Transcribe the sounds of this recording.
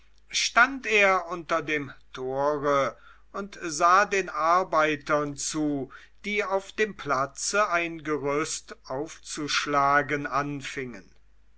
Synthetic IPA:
ʃtanteːɐʔʊntɐdeːmtʰoːʁə | ʔʊntzaːdeːnaɐbaɪtɐnt͡suː | d̥iːaʊfd̥eːmpʰlat͡səaɪnɡəʁʏstʔaʊft͡suʃlaːɡənanfɪŋən

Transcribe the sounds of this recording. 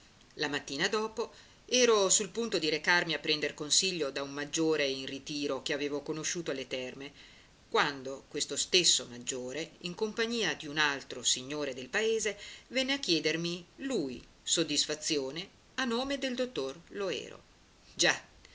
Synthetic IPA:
lamat̪ːiːnad̪ɔːpo | ɛːɾosulpunt̪od̪iɾekarmiapːɾɛnd̪erkonsiʎːod̪aumːad͡ʒːoːɾeinrit̪iːɾokeaveːvokonoʃuːt̪oalːet̪ɛrme | kwand̪okwest̪ost̪esːomad͡ʒːoːɾeiŋkompaɲiːad̪iunalt̪ɾosiɲːoːɾed̪elpaeːzevɛnːeakːjɛːd̪ermiluj | sod̪ːisfat̪sːjoːne | anːoːmed̪eld̪ot̪ːorloɛ̰ːɾo̰ | d͡ʒa

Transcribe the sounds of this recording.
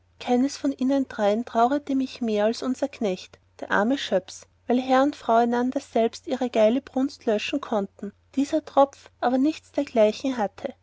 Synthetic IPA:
kʰaɪnəsfɔnʔiːnəndʁaɪəntʁ̥aʊʁətəmɪçmeːɐalsʊnz̥ɐkʰnɛçt | d̥eːɐʔa̰ɐməʃœpsvæɪlɦɛɐʊntfʁ̥aʊæɪnandɐzɛlpstʔiːʁəɡ̥aɪləbʁ̥ʊnstlœʃn̩kʰɔntn̩ | d̥iːzɐtʁ̥ɔp͡fʔaːbɐnɪçt͡sd̥eːɐɡlaɪçŋ̩ɦatʰə

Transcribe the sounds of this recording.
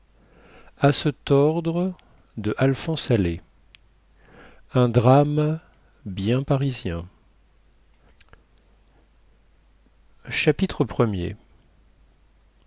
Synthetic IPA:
asɛt̪ɔʁd̪ʁə | d̪əʔalfɔ̃sale | ɛ̃d̪ʁam | bjɛ̃paʁizjɛ̃ | ʃapit̪χəpχəmjḛ

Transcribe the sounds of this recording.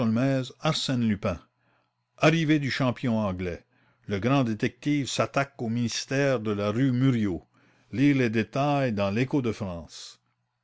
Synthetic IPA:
ɔlmɛːzaʁsɛnlypɛ̃ | aʁived̪yʃɑ̃pjɔ̃ɑ̃ɡlɛ | ləɡʁɑ̃d̪et̪ɛk̚t̪iːvsat̪akominist̪ɛːʁd̪əlaʁymyʁjo | liʁled̪et̪ajd̪ɑ̃lekod̪əfʁɑ̃ːs

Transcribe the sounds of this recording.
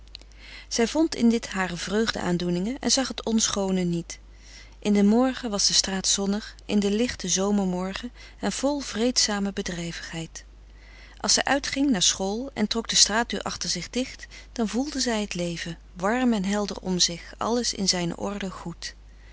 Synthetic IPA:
z̥ɛjvɔntɪ̰ndɪtɦaːrəvrøɥχdə̰ʔa̰ːndunɪŋəʔɛ̰nzɑχɦətɔnsχownənit | ʔɪndəmɔɹχəʋɑzdəstraːtsɔnəχʔɪ̰ndəlɪχtəzowməɹmɔɹχə | ɛnv̥ɔlˠv̥rejtsaːməbədrɛjvəχɦɛjt | ʔɑ̰lˠsɛjʔœɥtχɪŋnaːɹsχoːlˠɛ̰ntrɔɡ̚dəstraːt̚dø̰ːɹʔɑ̰χtəɹzɪχdɪχt | d̥ɑnvulˠdəzɛjɦətlejvə | ʋɑɹmɛnɦɛlˠdə̰rɔ̰mzɪχɑ̰ləsɪ̰nzɛjnə̰ʔɔ̰ɹdəχut

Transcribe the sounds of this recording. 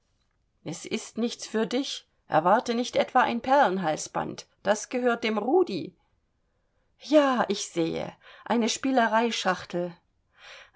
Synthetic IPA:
ʔɛsʔɪstnɪçt͡sfyːɐdɪç | ʔɛ̰ɐvaɐtənɪçtʔɛtv̥aːʔa̰ɪnpʰɛɐlənɦalsb̥a̰nt | d̥asɡ̥əɦøːɐt̚d̥eːmʁuːdi | jaːʔɪçz̥eːə̰ʔa̰ɪnəʃpiːləʁaɪʃaχtl̩

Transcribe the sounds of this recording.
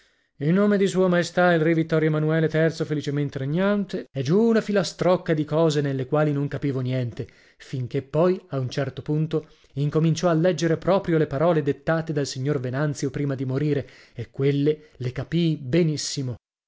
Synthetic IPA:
ilnoːmed̪isuːomaest̪ailrivit̪ːɔɾjoemanuɛːlet̪ɛrt̪sofelit͡ʃement̪eɾeɲːant̪eɛd͡ʒuːnafilast̪ɾɔkːad̪ikɔːzenelːekwaːlinoŋkapiːvonjɛnt̪e | fiŋk̟epːɔjaunt͡ʃɛrt̪opunt̪o | iŋkomint͡ʃɔalːɛd͡ʒːeɾepɾɔːpɾjolepaɾɔːled̪et̪ːaːt̪ed̪alsiɲːorvenant̪sjopɾiːmad̪imoɾiːɾe | ekːwelːe | lekapibenisːimo

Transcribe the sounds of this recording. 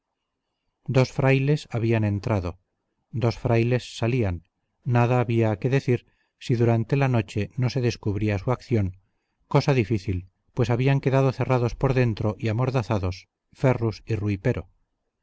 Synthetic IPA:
d̪o̞sfɾajle̞saβianẽ̞nt̪ɾaðo̞ | d̪o̞sfɾajle̞sːalianː | aðaːβiaːke̞ðe̞θiɾ | siðuɾant̪e̞lano̞t͡ʃe̞no̞se̞ðe̞skuβɾiasuakθjo̞ŋ | ko̞saðifiθil | pwesaβiaŋke̞ðað̞oθe̞raðo̞spo̞ɾðe̞nt̪ɾo̞ʔiamo̞ɾðaθaðo̞s | ferusiruipe̞ɾo

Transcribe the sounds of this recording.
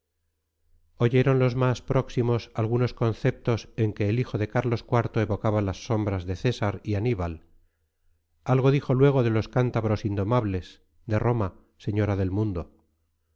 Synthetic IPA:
o̞ʝe̞ɾo̞nlo̞zmaspɾo̞ksimo̞salɣuno̞sko̞nθe̞p̚t̪o̞se̞ŋke̞ːlixo̞ðe̞kaɾlo̞skwaɾt̪o̞e̞βo̞kaβalasːo̞mbɾazðe̞θe̞saɾianiβal | alɣo̞ðixo̞lwe̞ɣ̞o̞ðe̞lo̞skant̪aβ̞ɾo̞sind̪o̞maβle̞s | d̪e̞ro̞ma | se̞ɲo̞ɾaðe̞lmũnd̪o̞

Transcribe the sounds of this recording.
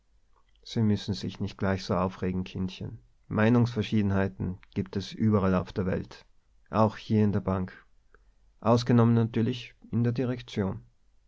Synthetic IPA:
z̥iːmʏsn̩zɪçnɪçt̚ɡ̥laɪçz̥oːaʊfʁeːɡŋ̩kʰɪntçə̰n | maɪnʊŋsfɛɐʃiːdn̩haɪtn̩ɡ̥iːp̚tɛsʔyːbɐʁala̰ʊfd̥eːɐvɛ̰lt | ʔaʊxhiːɐɪndeːɐbaŋk | ʔaʊsɡ̥ənɔmənːatyːɐlɪçʔɪndeːɐdiʁ̞ɛkt͡sjoːn

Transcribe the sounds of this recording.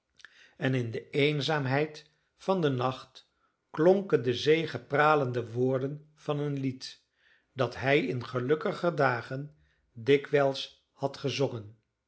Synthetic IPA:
ɛnɪndəejnzaːmɦɛjt | fɑndənɑχt | kloŋkəndəzejχəpraːləndəʋʊːɹdən | v̥ɑnənlit | d̥ɑtɦɛjɪnχəlɵkəχədaːχən | dɪkʋɛlˠs | hɑtχəzoŋən

